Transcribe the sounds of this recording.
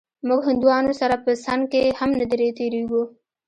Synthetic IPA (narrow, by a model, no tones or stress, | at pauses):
mʊɡɦʊnd̪uwɑnosaɾapəsankehamnad̪eɾet̪eɾeɡu